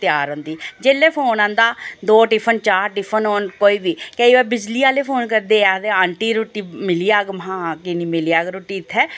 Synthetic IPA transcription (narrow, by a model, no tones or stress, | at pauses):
t̪ɪjaːɾɦʊ̃ːnd̪iːd͡ʒeːlːeːpʰoːnãːnd̪aːd̪oːʈɪpʰənt͡ʃaːɾʈɪpʰənoːnkoːiːbiːkeiʋɛːbɪd͡ʒliːaːleːpʰoːnkəɾd̪eːaːd̪eːaːɳʈiːɾoʈiːmɪliːaːɡmɦãːkɪniːmɪliaːɡɾoːʈiːɪt̪ʰːɛː